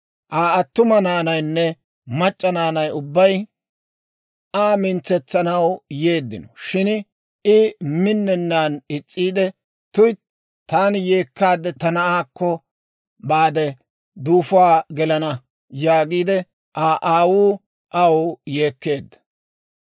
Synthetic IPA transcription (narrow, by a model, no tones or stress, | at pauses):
ʔaːɐt̪ːʊmɐnaːnɐjnːɛ | mɐt͡ʃʼːɐnaːnɐjʊbːɐj | aːmɪnt͡sːɛt͡sːɐnɐwje̞ːd̪ːɪnɔʃɪn | ɪmɪnːɛnːaːnɪt͡sʼːiːd̪ɛ | t̪ʊj | t̪aːnje̞ːkːaːd̪ːɛt̪ɐnɐaːkːɔ | baːd̪ɛ | d̪uːfʊaːɡɛlɐnɐ | jaːɡiːd̪ɛ | ʔaːʔaːwuː | ʔawʊje̞ːkːe̞ːd̪ːɐ̥